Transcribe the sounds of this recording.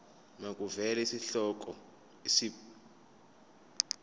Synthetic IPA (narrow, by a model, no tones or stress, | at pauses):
makʼuvɛlesiɬɔk̬ʼɔ | isi